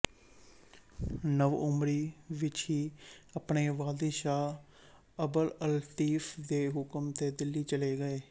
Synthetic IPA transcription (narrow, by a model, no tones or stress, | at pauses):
nəʋʊmɾiːʋɪt͡ʃɦiːəpɳeːʋaːd̪ʃaː | əbələlt̪iːfʰd̪eːɦʊkəmt̪eːd̪ɪlːiːt͡ʃəleːɡəeː